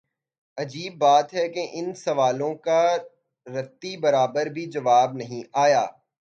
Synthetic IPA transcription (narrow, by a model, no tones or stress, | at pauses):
ɐd͡ʒiːbːaːt̪ɦɛkeʔɪnsɐʋaːlõka | ɾɐt̪ːibɐɾaːbəɾbʱid͡ʒɐʋaːbnɐɦĩaːjaː